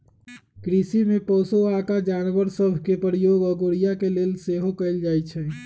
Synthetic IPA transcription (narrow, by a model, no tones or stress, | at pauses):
kɾisimepɔsoakad͡ʒanʋəɾsəbʱkepɾijoɡəɡoɾijakelelseɦokəɪld͡ʒajt͡ʃʰɛ